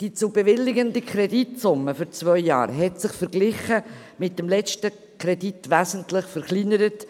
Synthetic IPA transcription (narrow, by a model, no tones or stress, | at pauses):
d̥it͡sub̥evɪlːɪɡəndəkʰɾɛditsʊməfyɾt͡svœʏjɑ̰ːɾɦɛtsɪχfɛɾɡlɪχə | mɪt̚dəmlɛt͡ʃtə | kʰɾɛditvæzəntlɪχfɛɾχlinəɾət